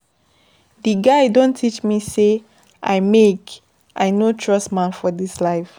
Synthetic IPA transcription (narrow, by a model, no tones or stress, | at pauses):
diɡaɪdõntʰit͡ʃmise | ʔajmek | ʔajnotʰɹɔsmãnfɔdislaɪf